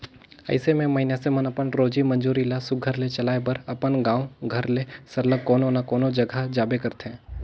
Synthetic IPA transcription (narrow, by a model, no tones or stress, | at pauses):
ɐ̰ɪsemẽmɐɦɪnasemənɐpənɾoːd͡ʒimɐ̃nd͡ʒuːɾilasʊk̚ɡʱəɾlet͡ʃɐlaːebəɾɐpənɡãːũɡʱɐɾlesɐɾləɡkːoːnonakɔːnod͡ʒɐɡʱad͡ʒaːbekɐɾt̪ɦɛ̃ː